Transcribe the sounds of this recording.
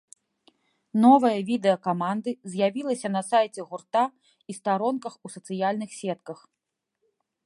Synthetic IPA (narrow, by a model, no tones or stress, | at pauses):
nɔvɐjɐvʲid̪ɛɐkamand̪ɨzʲjavʲilˠɐsʲɐnɐsajt͡sʲɛɣurt̪a | ist̪aɾɔnkɐxusɐt̪sɨjalʲnɨxsʲɛt̪kɐx